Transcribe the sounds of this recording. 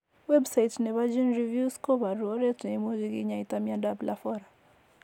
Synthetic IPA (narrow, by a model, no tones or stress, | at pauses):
wɛbsajitnɛβad͡ʒinɾivjuskɔβaɾuɔɾɛtnɛimɔɣiɣḭɲaitamiandablafɔɾa